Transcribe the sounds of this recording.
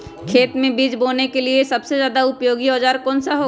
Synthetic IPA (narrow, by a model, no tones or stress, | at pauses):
kʰeːt̪mẽbiːd͡ʒboːnekeliesɐbsezjaːd̪aʊpjoːɡiɔːd͡ʒaːɾkɔːnsaɦoː